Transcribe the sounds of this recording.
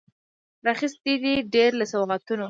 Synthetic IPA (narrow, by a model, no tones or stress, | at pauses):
ɾaxist̪id̪iɖeɾlasawɣat̪uno